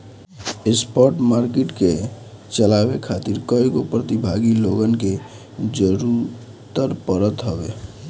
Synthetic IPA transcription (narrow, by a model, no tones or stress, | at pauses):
espɔɾʈmaɾkeʈke | t͡ʃəlabekʰat̪iɾkəikopɾət̪ibʱaɡiloɡənke | d͡ʒəɾuɾ | t̪əɾpəɾət̪ɦəbe